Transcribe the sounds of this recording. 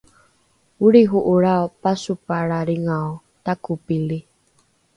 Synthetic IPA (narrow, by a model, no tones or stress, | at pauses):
uɾiɦuʔuɾaopasupaɾaɾiŋao | t̪akupili